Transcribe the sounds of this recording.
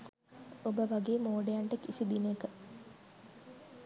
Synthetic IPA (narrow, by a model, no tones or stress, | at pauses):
obəʋɐɡeːmoːɖejaɳʈekːisid̪inekə